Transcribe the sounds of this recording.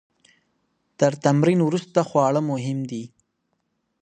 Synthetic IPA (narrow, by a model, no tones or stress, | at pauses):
t̪əɾt̪amɾinwɾust̪axwɑɭəmʊɦɪmd̪i